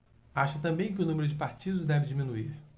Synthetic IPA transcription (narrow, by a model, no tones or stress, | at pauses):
aʃɐt̪ɐ̃mbẽj̃k̬ʲɪʊnũmeɾʊd͡ʒɪpaɾt͡ʃid̪ʊzd̪ɛvɪd͡ʒimĩnuiɾ